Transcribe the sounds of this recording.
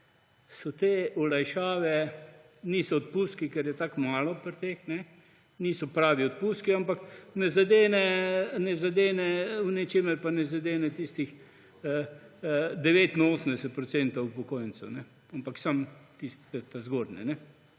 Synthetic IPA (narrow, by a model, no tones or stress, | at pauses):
sɔt̪eːɔlajʃaːʋɛ | niːsɔɔt̪puːskikɛɾjɛt̪akmaːlɔpɾt̪eːxnɛ | niːsɔpɾaːʋiɔt̪̚puskiampaknɛzad̪eːnɛnɛzad̪eːnɛwnɛt͡ʃeːməɾpanɛzad̪eːnɛt̪iːst̪ix | d̪ɛʋeːt̪inoːsəmd̪ɛsɛt̪̚pɾɔtsɛnt̪ɐwwpɔkoːjənt͡ssɛnɛ | ampaksamt̪ist̪ɛt̪azɡoːd̪nɛ̰nɛ